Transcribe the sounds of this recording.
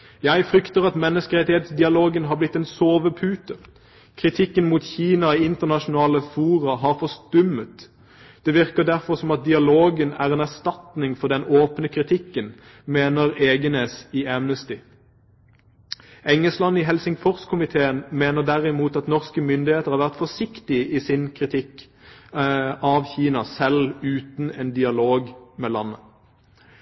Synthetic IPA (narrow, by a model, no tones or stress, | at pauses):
jæɪfʁʏkt̪əʁɑt̪mɛnːəskəʁɛt̪ɪheːt̪sd̪ɪɑloːɡənɦɑːʁblɪt̪ːɛːnsoːʋəpʰʉːt̪ə | kʰʁɪt̪ʰɪkːənmuːt̪çiːnɑiɪnt̪əʁnɑʃʊnɑːləfuːʁəɦɑʁfɔst̪ʉmət̪ | d̪̥ɛːʋɪʁkəd̪æʁfɔsɔmɑt̪̚d̪ɪɑloːɡənæ̰ːʁeːnæʁst̪ɑt̪nɪŋfɔd̪ɛnoːpnəkʰʁɪt̪ʰɪkːən | meːnəʁeːɡəneːsɪæmnəst̪ɪ | ɛŋəlslɑnːɪɦɛlsɪŋfɔʁskʰʊmɪt̪ʰeːənmeːnəʁd̪æʁɪmuːt̪ɑt̪nɔʁskəmʏnd̪ɪheːt̪əʁhɑːʋæʁt̪fɔsɪkt̪ɪisɪnkʰʁɪt̪ʰɪkː | ɑʋçiːnɑsɛlʉːt̪nɛːnd̪ɪɑloːɡmɛlɑnːə